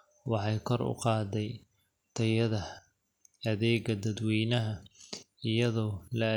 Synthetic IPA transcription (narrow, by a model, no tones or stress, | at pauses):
wɑħɑjkʰɔrʊ̰qɑːd̪ɛj | t̪ʰɐjɐðɐ | ɐðɛːɡɐd̪ɐd̪wiːnɐɦɐ | ɪjɐðɔːlɐ